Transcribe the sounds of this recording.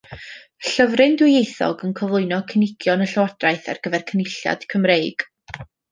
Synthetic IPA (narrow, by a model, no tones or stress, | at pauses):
ɬəvrɨndʊjejθɔ̰ɡənkʰɔvlˠʊɨnɔkʰənɪɡ̥jɔnəɬəwadraɨθa̰rɡ̥əvɛrkʰənɪɬja̰d̥kʰəmrejɡ̥